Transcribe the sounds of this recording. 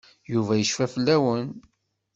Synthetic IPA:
juvæjəʃfæfəlːæwən

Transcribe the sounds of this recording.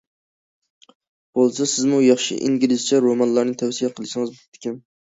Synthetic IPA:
b̥olˠsɛsɪzmujɑχʃḭʔḭŋɡʲilɪzt͡ʃʰɛɾomɑnlˠɑɾnɨt̪ʰɛwsijɛqʰəlˠɨʃɪŋɨzbt̪ʰːɪ̥kʲʰɪn

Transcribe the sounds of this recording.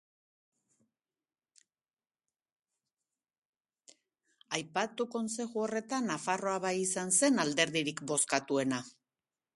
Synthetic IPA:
ajpat̪uko̞nse̞ʝuo̞re̞t̪anːafaro̞aβajisanse̞nald̪e̞ɾðiɾikbo̞skat̪ue̞na

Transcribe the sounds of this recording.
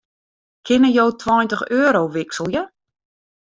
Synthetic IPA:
kʰɪnəjowtʰwɔjntəxøːəɾowʋɪksəlˠjə

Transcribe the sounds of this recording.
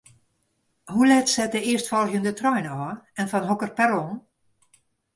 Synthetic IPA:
hulɛtsɛtəɪəstfɔlˠɣjəndətrɔjnəɔːɛnfɔnɦokərpɛɾɔn

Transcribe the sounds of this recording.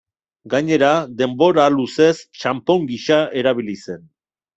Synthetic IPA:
ɡaɲe̞ɾaðe̞mbo̞ɾaluse̞st͡ʃampo̞ŋɡiʃae̞ɾaβ̞ilise̞n

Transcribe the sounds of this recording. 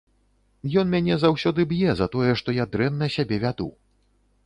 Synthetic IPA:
jɔnmʲanʲɛzawsʲɔd̪ɨbjɛzɐt̪ɔjɛʂt̪ɔjad̪ɾɛnːɐsʲabʲɛvʲad̪ṵ

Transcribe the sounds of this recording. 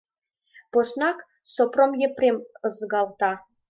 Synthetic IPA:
posnɑk | sopromjĕprʲemɤ̆zɡɑlˠt̪ɑ

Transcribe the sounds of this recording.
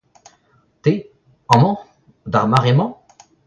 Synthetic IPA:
t̪e | ɑ̃mɑ̃ | d̪aʁmaʁemɑ̃

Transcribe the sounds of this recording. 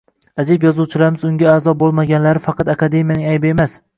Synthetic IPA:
ad͡ʒɪbjɒzuwt͡ʃʰɪlaɾmɪzʊŋɡʲaːzɒbolˠmaɡʲanlaɾɪfɑqʰɑt̪akad̪e̞mijanɪŋajbɪe̞mas

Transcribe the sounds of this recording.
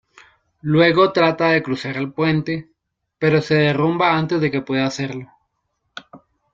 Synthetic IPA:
lwe̞ɣo̞t̪ɾat̪aðe̞kɾusaɾelpwe̞nt̪e̞ | pe̞ɾo̞se̞ðe̞rumbaant̪e̞zðe̞ke̞pwe̞ðaːse̞ɾlo̞

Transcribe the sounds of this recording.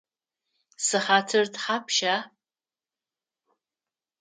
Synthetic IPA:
sɨħatʰɨrtʰħapʰʃa

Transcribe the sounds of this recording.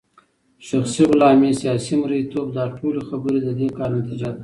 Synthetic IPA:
ʃaxsiʁʊlɑmesijɑsimɾait̪obd̪ɑʈʰolexabəɾed̪əd̪ekɑɾnat̪id͡ʒad̪a

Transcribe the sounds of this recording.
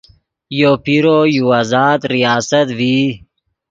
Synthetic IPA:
joːpiɾojuazɑːd̪ɾijaːsɐt̪viː

